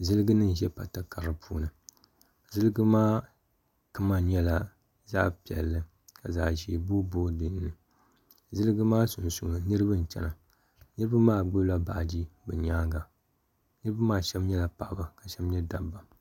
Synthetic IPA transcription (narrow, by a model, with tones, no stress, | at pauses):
zɨ˦lɨ˦ɡɨ˦nɨ˦n˨ʒɛ˦pa˨ta˨ka˨ɾɨ˨pʰuː˦nɨ˨ | zɨ˦lɨ˦ɡɨ˦maː˦ | kɨ˦ma˦˨ɲɛ˦la˨ | za̰˦˨pi˨ɛ̰˨lːɨ˦ | ka˨za̰ː˨ʒi˨bo˦boː˦dɨ˨nː˦ɨ˨ | zɨ˦lɨ˦ɡɨ˦maː˦sʊ˨nsu˨ŋ˨nɨ˦ɾɨ˦bɨ˦n˨t͡ʃɛ̰˨na˨ | nɨ˦ɾɨ˦bɨ˦maː˦ɡ͡bo˦la˨ba˨ʔd͡ʒi˦bɛ˨ɲaː˦ŋɡa˨ | nɨ˦ɾɨ˦ba˦maː˦ʃɛ˦mɲɛ˦la˨pa˨ʔba˦ka˨ʃɛ˦mɲɛ˦da˨bːa˨